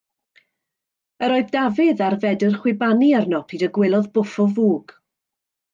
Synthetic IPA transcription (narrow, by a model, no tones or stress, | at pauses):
əɾoɨðdavɪðarvɛdərχwɪbaniarnɔpʰiːdəɡwɪlˠɔðbʊfɔvuːɡ̥